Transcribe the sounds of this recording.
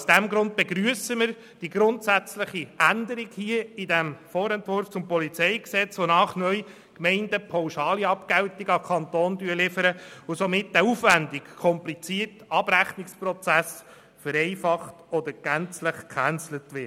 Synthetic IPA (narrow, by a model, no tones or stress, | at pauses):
sd̥æmɡɾʊnd̪̚b̥ɛɡɾyəsəməɾ | d̥iɡɾʊntsæt͡sləχiʔænd̪əɾiɡhiəidæmfɔːɾɛntʋʊɾft͡sʊmpɔlit͡sɛɪksɛt͡sʋonɑːχnœʏ | kmɛɪndəpʰɑwʃɑːliɑpkɛwtiɡɑkʰɑnt̪oːndyːəlɪfəɾəʊsomɪt̚dɛufʋændikkʰɔmplit͡siːətɑb̥ɾæχnikspɾɔt͡sæs | fəɾɛɪfɑχtɔd̪əɾɡ̥ænt͡sləχkχænt͡slət̪ʋɪ